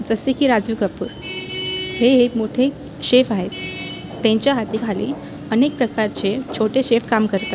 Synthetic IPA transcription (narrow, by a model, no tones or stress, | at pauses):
d͡zəsekiːɾad͡zuːɡəpṵːɾ | ɦeɦemoʈʰe | ɕefaɦet̪ː | ẽɲt͡ɕjaɦat̪ikʰalḭː | ənek̚pɾəkaɾt͡ɕet͡ɕʰoʈeɕefkamkəɾt̪a